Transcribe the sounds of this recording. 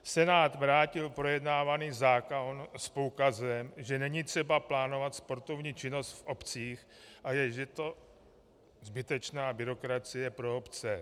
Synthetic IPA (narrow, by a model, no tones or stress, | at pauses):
sɛnaːt̪vɾaːcɪlpɾo̞jɛdnaːvaniːzaːkonspokazɛmʒɛnɛɲit̪r̝̥ɛbaplaːno̞vat̪spo̞ɾt̪o̞vɲiːt͡ʃɪno̞st̪fʔo̞pt͡siːx | ʔajɛʒɛt̪o̞ | zbɪt̪ɛt͡ʃnaːbɪɾo̞kɾat͡sɪjɛpɾo̞opt͡sɛ